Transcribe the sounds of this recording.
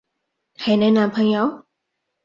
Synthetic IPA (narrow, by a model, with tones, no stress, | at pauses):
ha˨˩jnɛː˥˨na˧mpʰa˧˥ŋja˧˥w